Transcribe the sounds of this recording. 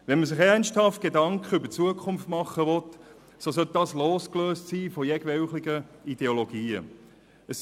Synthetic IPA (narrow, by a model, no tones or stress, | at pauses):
ʋɛnməsɪχɛʁnsthɑft̚ɡ̥edɑŋkʰχəybət͡suəkʰʊmftmɑχːəʋɔt | sosœlt̚dɑːsloːskløːstsiːfɔjɛɡʋɛʊχlɪɡəid̥eoloɡ̥iːə̰ | əs